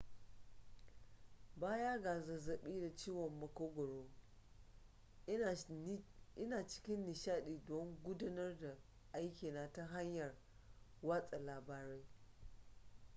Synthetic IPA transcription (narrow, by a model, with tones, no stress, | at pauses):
baː˦ja˦ɡa˨zɐ˨zɐ˨ɓiː˦da˨t͡ʃiː˦wɔ˨mːɐ˨koː˦ɡʷɔ˨ɽoː˦ | ʔɪ˦naː˨t͡ʃɪ̥˦kʲɪ˦nːɪ˨ʃaː˦ɗiː˨dɔ˦ŋɡʷʊ˦da˦nɐ˦rda˨ | ʔa˦jkʲiː˨na˨ta˦ɦa˦ɲjɐ˨r | wa˦sʼa˨laː˨baː˨ɾe˦j